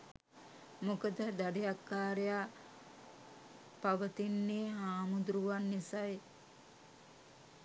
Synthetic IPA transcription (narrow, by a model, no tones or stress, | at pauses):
mokəd̪əd̪aɖejakːaːɾejaː | paʋət̪inːeːɦaːmud̪ɾuʋanːisaj